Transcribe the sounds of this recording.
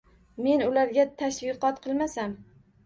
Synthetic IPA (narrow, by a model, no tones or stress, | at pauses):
me̞nʊlaɾɡʲat̪ʰaʃvɨqɒt̪qʰɨlˠmasam